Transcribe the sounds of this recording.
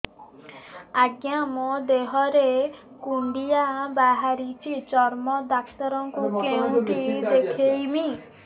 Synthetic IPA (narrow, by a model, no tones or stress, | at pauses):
aɡjamɔd̪eɦɔɾe | kuɳɖijabaɦaɾit͡ʃʰit͡ʃɔɾmɔd̪aksɔɾɔŋkukeũʈid̪ekʰejmi